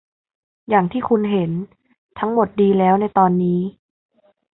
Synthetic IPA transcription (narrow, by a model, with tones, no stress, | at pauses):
jaː˨˩ŋt̪ʰiː˥˩kʰu˧nɦe˩˦n | t̪ʰa˦˥ŋmo˨˩t̪̚diː˧lɛː˦˥wna˧jt̪ɔː˧nːiː˦˥